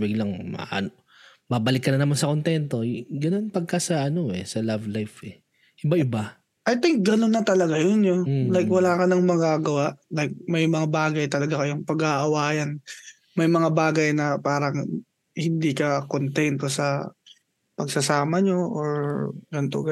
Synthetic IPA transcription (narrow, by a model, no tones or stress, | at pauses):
biɡlɐŋmɐ̰ʔa̰no | babɐlɪkːɐnɐnɐmansɐko̞nt̪ɛnt̪o̞ɡɐno̞npɐɡ̚kasɐʔɐno̞ʔɛsɐlavlajfɛ | ʔɪbaʔɪba | ʔɐjt̪ɪŋk̚ɡɐnonːɐt̪ɐlɐɡajonjolajkwɐlaːkɐnɐŋmɐɡaːɡɐwaʔlajk̚mɐjmɐŋabaːɡɐjt̪ɐlɐɡakɐjoŋpɐɡaʔɐwaːjɐn | mɐjmɐŋabaːɡɐjnɐpaːɾɐŋ | hɪnd̪iːkɐkont̪ɛnt̪o̞sɐ | pɐɡsɐsaːmɐɲoʔoɹɡɐnt̪o̰ɡɐ